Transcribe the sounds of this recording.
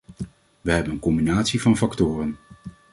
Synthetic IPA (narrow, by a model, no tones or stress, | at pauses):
ʋəɦɛbənənkɔmbinaːtsivɑnfɑktʊːrən